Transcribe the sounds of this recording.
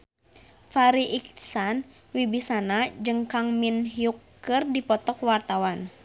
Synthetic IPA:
faɾiʔiksan | wibisanad͡ʒɨŋkaŋminɦiukː | ɨrdipɔt̪ɔkwart̪awan

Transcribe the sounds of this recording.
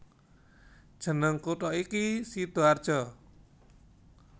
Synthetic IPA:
d̥ʒ̥ə̤nəŋkuʈ̪ɔikisit̪oard̥ʒ̥ɔ

